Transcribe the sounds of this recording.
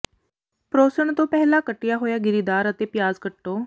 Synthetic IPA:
pɾoːsəɳ̃t̪õːpɛɦlakəʈɪjaɦoːjaːɡɪɾid̪aːɾət̪epjaːzkəʈːoː

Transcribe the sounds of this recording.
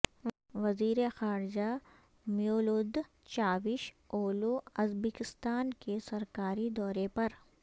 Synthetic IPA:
ʋɐziːɾexaːɾd͡ʒa | mijoːlod̪ | t͡ʃaːʋɪʃ | oːloɐzbeːkɪst̪aːnkesɐɾkaːɾid̪ɔːɾepɐɾ

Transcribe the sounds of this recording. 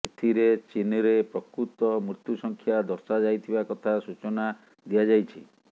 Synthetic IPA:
et̪ʰiɾet͡ʃinɾepɾɔkɾut̪ɔmɾut̪jusɔŋkʰjad̪ɔɾsad͡ʒajt̪ʰibakɔt̪ʰasut͡ʃɔna | d̪ijad͡ʒajt͡ʃʰḭ

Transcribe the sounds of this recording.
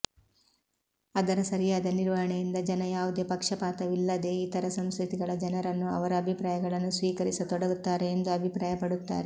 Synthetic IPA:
ɐd̪ɐɾɐsɐɾijaːd̪ɐniɾʋɐɦɐɳejind̪ɐd͡ʒɐnɐjaːʋud̪e̞ːpɐkʂɐpaːt̪ɐʋilːɐd̪e̞ːit̪ɐɾɐsɐmskɾut̪iɡɐɭɐd͡ʒɐnɐɾɐnːuɐ̰ʋɐɾɐːbʱipɾaːjɐɡɐɭɐnːusʋiːkɐɾisɐt̪ɔɽɐɡut̪ːaːɾe̞ːnd̪uɐbʱipɾaːjɐpɐɽut̪ːa̰ːɾe

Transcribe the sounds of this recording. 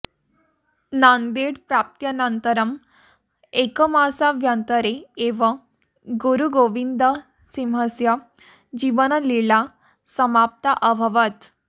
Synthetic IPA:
nand̪eɽpɾap̚t̪jənənt̪əɾəm | ekəmasaʋjənt̪əɾeeʋə | ɡuɾuɡoʋind̪ə | simɦəsjə | d͡ʑiʋənəliɭa | səmap̚t̪aʔəbʱəʋət̪

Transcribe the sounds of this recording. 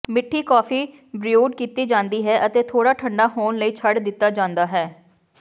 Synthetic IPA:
mɪʈʰːiːkɔːfiː | bɾɪuːɖkiːt̪iːd͡ʒãːnd̪iːɦɛːʔət̪eːt̪ʰoːɽaːʈʰəɳɖaːɦoːnləiːt͡ʃʰəɖd̪ɪt̪ːaːd͡ʒãːnd̪aːɦɛː

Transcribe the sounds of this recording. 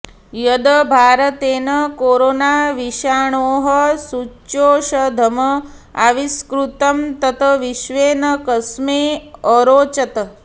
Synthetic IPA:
jɐd̪ɐbʱaːɾɐt̪eːnɐkoːɾoːnaːʋiʃaːɳoːɦɐsuoːʃɐd̪ʱɐmɐ | a̰ʋiskɾut̪ɐmt̪ɐt̪ɐʋiʃʋeːnɐkɐsmeːəɾoːt͡ʃɐt̪ɐ

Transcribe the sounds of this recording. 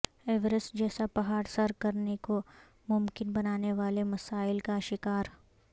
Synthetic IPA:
ɛːʋɾəstd͡ʒɛːsapɐɦaːɽsɐɾkɐɾneko | mʊmkɪnbɐnaːneʋaːlemɐsaːɪlkaʃɪkaːɾ

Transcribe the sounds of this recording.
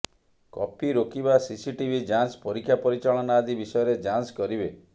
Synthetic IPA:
kɔ̰piɾokibasisiʈibʱid͡ʒanspɔɾikʰjapɔɾit͡ʃaɭɔnaːd̪ibisɔjɔɾed͡ʒanskɔɾibe

